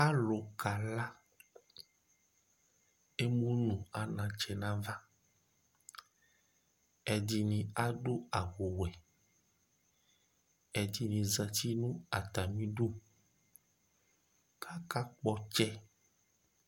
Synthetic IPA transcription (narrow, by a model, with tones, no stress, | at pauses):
a˦lo˨ka˨la˦ | e˦mũ˦nũ˨a˨nã˨t͡ʃɛ˨nã˦va˦ | ɛ˨di˨nĩ˨a˦ɖo˦a˨wo˨wɛ˨ | ɛ˨di˨nĩ˨za˨t̪i˦nũ˦a˨t̪a˨mĩ˦ɖu˦ | kʰa˦ka˦k͡pɔ˦t͡ʃɛ˦